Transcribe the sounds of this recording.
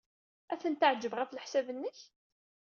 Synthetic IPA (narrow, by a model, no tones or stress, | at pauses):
æθənt̪aʕd͡ʒːəvʁæflħsævənːəç